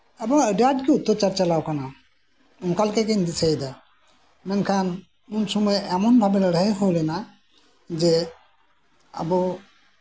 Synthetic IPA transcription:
abɔəɖaɖkɛut̪ːɔt͡ʃaɾt͡ʃalawkana | umkalkɛkeɲd̪isʰajd̪a | mɛnkʰan | unsɔmɔjɛmɔnbʱabɛləɽəeɦojlɛna | d͡ʒɛ | a̰bɔ

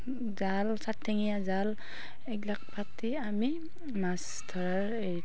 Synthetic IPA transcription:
zalsatʰːeŋijazal | ɛklak̚pʰak̚tiami | mas | tʰɔɹaɹei

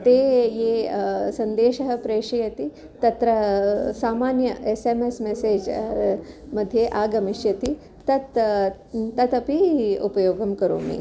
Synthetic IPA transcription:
t̪eːjeːsɐnd̪eːʃɐɦɐpɾeːʂɐjɐt̪i | t̪ɐt̪ɾɐsaːmaːnjɐʔesemesmeseːd͡ʒ | mɐd̪ʱːjeʔaːɡɐmiʃjɐt̪i | t̪ɐt̪ | t̪ɐt̪ɐpiupɐjoːɡɐmkɐɾo̰ːmḭ

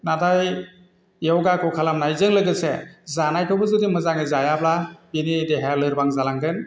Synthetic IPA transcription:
nadaj | jewɡakɔwkʰalamnajzɯŋlɯɡɯsezanajkʰɯwbɯzudimɯzaŋɯzajablabinideɦalɯɾbaŋzalaŋɡɯn

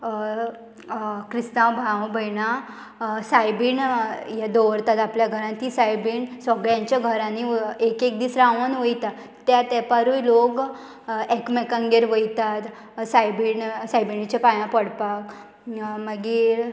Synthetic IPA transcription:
kɾisnãwbʱawbʱəjna | sajbiɳjad̪oʋɾt̪at̪apljaɡʱəɾãnt̪isajbiːɳsəɡɭjãɲt͡ɕjaɡʱəɾãniekek̚d̪iːsɾaaʋənʋəjt̪a | t̪ːjat̪ɛpaɾujlok | ekmɛkãŋɡeɾʋəjt̪at̪ | sajbiɳsajbiɳit͡ɕepajãpəɽpak | məɡi

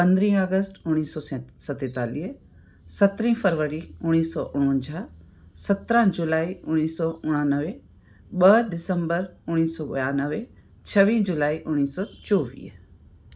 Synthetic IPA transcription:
pə̃nd̪ɾĩːaːɡəsʈʊnːiːsɔːsɐt̪et̪aːliː | sɐt̪ɾĩːpʰəɾʋəɾiʊnːiːsɔːʔʊɽ̃ə̃ɲd͡ʒaː | sət̪ɾãːd͡ʒʊlaːiʊnːiːsɔːʊɽ̃ãːnəʋe | ɓəd̪ɪsəmbəɾʊnːiːsɔːɓɐ̰jaːnəʋe | t͡ʃʰəʋĩːd͡ʒʊlaːiʔʊnːiːsɔːt͡ʃoːʋḭː

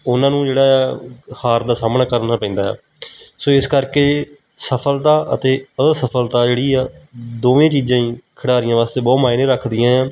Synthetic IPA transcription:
ʊnãːnũːd͡ʒeːɽaːhaːɾd̪aːsaːmnaːkəɾnaːpɛ̃ːnd̪aːɛ̰ː | soːɪskəɾkeː | səpʰəlt̪aːʔə̰t̪eːəsəpʰəlt̪aːd͡ʒeːɽiːɛːd̪oːʋẽːt͡ʃiːd͡ʒãːĩːkʰəɽaːɾɪjãːʋaːst̪eːbɔːt̪maːɪnẽːɾəkʰd̪ɪjãːɛ̃ː

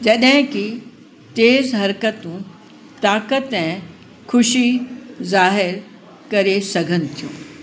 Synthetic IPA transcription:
d͡ʑɐɗɦɪ̃ki | t̪eːzɦɐɾkət̪ũ | t̪aːkət̪ɛ̃ | kʰʊʃizaːɦɪɾ | kɐɾesɐɡʱənɪ̆t̪ʰijṵ̃ː

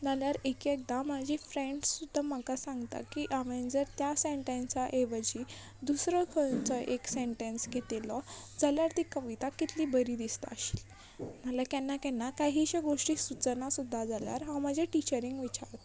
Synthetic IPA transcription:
naljaɾekek̚d̪amad͡ʑʱifɾẽɳɖsud̪ʱːamakasãŋɡt̪a̰kiʔaʋẽnd͡zəɾt̪jaseɳʈẽnsaʔeʋəd͡ʑi | d̪usɾɔkʰənt͡sɔʔekseɳʈẽnsɡʱet̪elɔd͡zaljaɾt̪ikəʋit̪akit̪ʰliːbəɾid̪ist̪a̰əɕi̥ːl | nalakɛnːakɛnːakaɦiːɕaɡoʂʈiːsut͡sənasud̪ʱːad͡zalja̰ɾɦãmad͡ʑʱaʈit͡ɕəɾiŋɡʋit͡ɕa̰ɾt̪

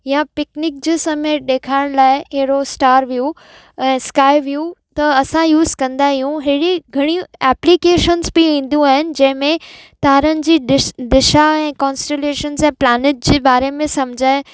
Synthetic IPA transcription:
japɪknɪk̚d͡ʑeːsɐmeɗeːkʰaːɪɽ̃laːɪɦeɦɪɽosʈaːɾʋiju | ɛ̃ːskaːɪʋijut̪ɐɐsãjuːzkɐ̃nd̪aɦijũɦɪɽiɡʱɐɽ̃iɛːplikeːʃənzbɪʋĩːn̆d̪ũaːɦɪnɪ̆d͡ʑɐ̃ɦɪ̃mẽt̪aːɾənɪ̆d͡ʑiːɪd̪ɪʃaɛ̃ːkɔːnsʈeleːʃənzɛ̃ːplaːnɪʈ̚d͡ʑeːbaːɾemẽsɐmd͡ʑʱaɪ

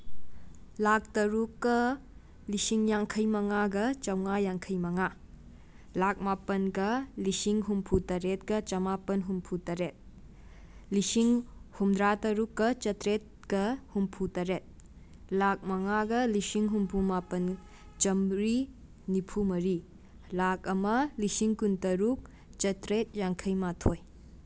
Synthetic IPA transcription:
lak̚tɐɾukːɐ | lisiŋjaŋkʰɐjmɐŋaɡɐt͡ʃɐwŋajaŋkʰɐjmɐŋa | lak̚mapɐnɡɐlisiŋɦumpʰutɐɾet̚ɡɐt͡ʃɐmapɐnɦumpʰutɐɾet̚ | lisiŋhumdɾatɐɾukːɐt͡ʃɐtɾet̚kɐhumpʰutɐɾet̚ | lak̚mɐŋaɡɐlisiŋɦumpʰumapɐn | t͡ʃɐmɾi | nipʰumɐɾi | lak̚ɐmɐlisiŋkuntɐɾuk̚ | t͡ʃɐtɾet̚jaŋkʰɐjmatʰoj

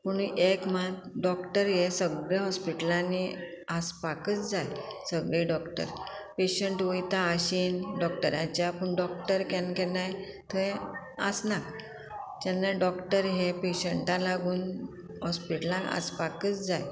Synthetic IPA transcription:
puɳ̃uʔekmaɡɖɔkʈəɾjesəɡɭeɦɔspiʈəlãni | aspakət͡sd͡zajsəɡɭeɖɔkʈə̰ɾpeɕəɳʈʋəjt̪aːɕinɖɔk̚ʈəɾjãt͡ɕapəɳɖɔkʈəɾkɛnkɛnaj | t̪ʰə̃ | əsnak | d͡ʑanːaɖɔkʈəɾɦepeɕəɳʈalaɡuːn | ɦɔspiʈəlãŋa̰spakət͡sd͡zaj

